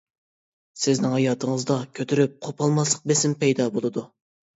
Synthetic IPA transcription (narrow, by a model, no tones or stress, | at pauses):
sɪznɪŋɦɑjɑːt̪ʰəŋəzd̪ɑkʲʰøt̪ʰyɾyp̚qʰopʰɑlˠmɑslˠə̥q̚besɪmpɛjd̪ɑbolˠɨd̪u